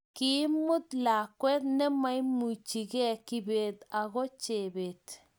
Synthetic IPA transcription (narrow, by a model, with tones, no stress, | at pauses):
ki˦mʊ˦t̪la˨kːwɛ˦t̪nɛ˦ma˦jmu˨t͡ʃi˨ɡɛ˦kːi˦beː˨t̪a˨ɣɔ˦t͡ʃe˨beːt̪